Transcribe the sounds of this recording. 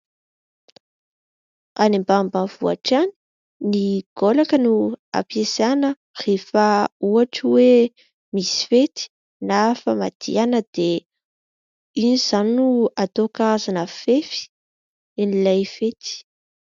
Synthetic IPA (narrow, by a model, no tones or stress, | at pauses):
animbambavua̰ʈ͡ʂani̥ | niɡ̥olakənua̰pjesanə | refəuaʈ͡ʂwe | misi̥fet̪i̥ | nafama̰d̪̥ḭanəd̪̥e | iniz̥annuat̪okaazanəfefi̥ | enilajfet̪i̥